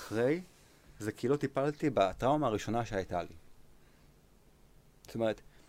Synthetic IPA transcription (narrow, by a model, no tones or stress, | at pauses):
χʁe̞j | zekʰilo̞t̪ipalt̪ibat̪ʁaumaːʁiʃo̞naʃeajtalḭ | zo̥t̪ome̞ʁet̪